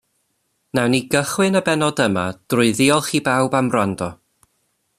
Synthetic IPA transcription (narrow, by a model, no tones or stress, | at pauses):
nɛwniɡəχwɨnəbɛnɔdəma̰d̥rʊɨðɪɔlˠχibawbamrandɔ